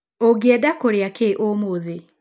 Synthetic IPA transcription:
oɡɛdakoɾeakeʔomoðe

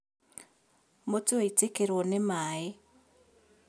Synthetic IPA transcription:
motoaitekeɾwonemaːe

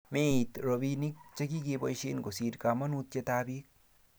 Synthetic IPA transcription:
met̪ɾɔbinik̚t͡ʃʌkikepʌjseːnɡosiːɾkamɐnut̪jet̪aːbik̚

